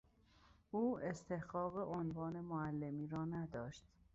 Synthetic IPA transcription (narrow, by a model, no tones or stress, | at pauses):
ʔuːe̞st̪ʰe̞hɢɒːɣeʔonvɒːne̞moælːe̞miːɾɒːnæd̪ɒːʃt̪